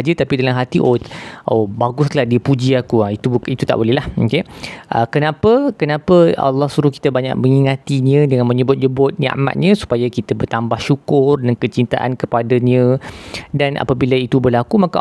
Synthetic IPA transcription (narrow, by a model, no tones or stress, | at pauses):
d͡ʒət̪apidalamɦat̪iʔoʔobaɡʊskəlahdiəpud͡ʒiakuait̪uit̪ut̪a̰ʔbolɛɦlahokeʔə̰kənãpəkənãpəa̰lːɔhsuɾuhki̥t̪əbaɲa̰k̚məŋiŋat̪iɲə̃dəŋanmə̃ɲəbʊt̪̚d͡ʒəbʊt̪̚ɲa̰a̰ʔma̰t̪̚ɲə̃su̥pajakit̪əbərt̪ambahʃukʊrdankət͡ʃint̪aʔa̰nkəpadaɲə̃danʔa̰pabilait̪ubərlakumaka